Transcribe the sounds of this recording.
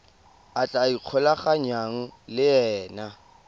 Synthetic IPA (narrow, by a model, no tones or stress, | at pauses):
at͡ɬʼaiq͡χʰɔlaχaɲaŋ̩lɪɛːna